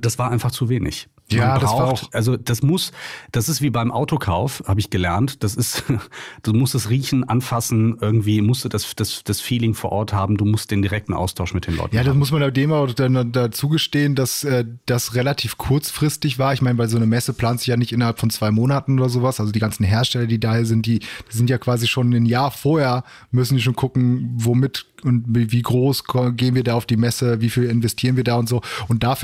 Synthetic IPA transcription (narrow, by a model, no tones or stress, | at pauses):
d̥asv̥aːɐʔaɪnfaχt͡suveːnɪ̰ç | jaːbʁdasaʊʊʔalzod̥asmʊsd̥asɪstv̥iːbaɪmʔa̰ʊtokʰaʊfhaːbəɪçɡ̥əlɛɐntd̥asɪstd̥uːmʊstd̥asʁiːçn̩ʔanfasn̩ʔɪɐɡŋ̩tv̥iːmʊstd̥udasd̥asd̥asfiːlɪŋfoːɐʔɔɐthaːbm̩duːmʊst̚d̥eːndiʁɛk̚tn̩ʔa̰ʊstʰaʊʃn̩mɪt̚d̥eːnlɔ̰ʏtj̩aːdasmʊsmanadeːmaʊd̥anadat͡suːɡəʃteːəndasʔɛːd̥asʁelatʰiːfkʰʊɐt͡sfʁ̥ɪstɪçv̥aːɐɪçmaɪnəvaɪlzoːnəmɛsəpl̥aːntz̥ɪçjaːnɪçtʔɪnɐɦhalpfɔnt͡sv̥aɪmoːnatn̩ʔoːdɐzoːvasʔalzodiːɡant͡sn̩ɦeːɐʃtɛlɐdiːdaːhiːɐzɪnt̚d̥iːd̥izɪntjaːkv̥aːziʃoːnɪnjaːɐfoɐheːɐ | mʏs̬n̩ziːʃ̬oːnkʰʊkŋ̩vomɪt | ʊntiviːɡʁoːskʰɔɡeːənviːɐdaːaʊfd̥iːmɛsəviːfiːlɪnvɛstʰiːʁənviːɐdaːʊntz̥oːʔʊnt̚d̥aːf